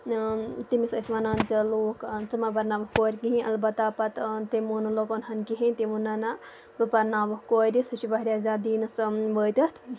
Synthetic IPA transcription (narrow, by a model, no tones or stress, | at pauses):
t̪imisəsmanand͡ʒɐloːkt͡sɐmabɐɾnaʋɐhkoːɾʲkiɦĩʔɐ̰lbɐt̪ːapɐt̪t̪imunlokonɦɐnkiɦint̪imunɐna | bɨpɐɾnaʋɐhkoɾisɨt͡ʃibɐɦɾʲjaːzad̪iːnɨsʋət̪ɐt̪ʰ